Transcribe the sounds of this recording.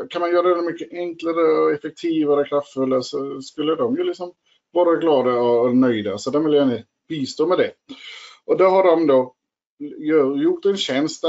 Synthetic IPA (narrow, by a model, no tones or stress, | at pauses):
kʰanmanjœːɾadɛnmʏkːəʔɛŋklaɾəɔɛfɛk̚t̪ʰiːvaɾɔkʰɾaft̪fɵlːasɔskɵlːəd̪ɔmjɵlɪksɔm | vɑːɾaɡlɑːd̪aɔːnœjd̪asɔt̪d̪ɛvɪljaɪnə | b̥iːst̪oːmɛd̪ɛ | ʔɔd̪ɛɾɦaɖɔmd̪o | jjʊʈːɛnɕɛnst̪